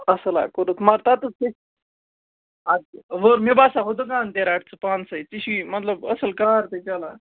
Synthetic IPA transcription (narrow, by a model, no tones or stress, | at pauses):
əsəla̰kəɾut̪maɾt̪at̪əske | aiʋəɾmibasaɦod̪əkant̪eɾaʈ̚t͡sɨpansəjt͡siɕimət̪ləbəsəlkaɾt̪et͡ɕala